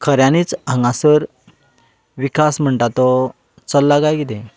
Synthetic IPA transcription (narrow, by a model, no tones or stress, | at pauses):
kʰəɾjãnit͡sãŋɡãsəɾ | ʋikasm̤əɳʈat̪ɔ | t͡səlːaɡajɡid̪ẽ